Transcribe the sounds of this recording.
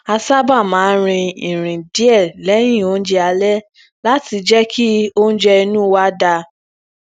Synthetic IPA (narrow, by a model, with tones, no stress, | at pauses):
a˧sa˦ba˦˨mãː˨˦ɾ̃ĩ˧ĩ˨ɾ̃ĩ˨di˨˦ɛ˦˨lɛ˨˦j̃ĩ˦˨o˦n̩˦d͡ʒɛ˦a˧lɛ˦ | la˦ti˧d͡ʒɛ˦kʰi˦o˦n̩˦d͡ʒɛ˦i˧nũ˦wa˦da˧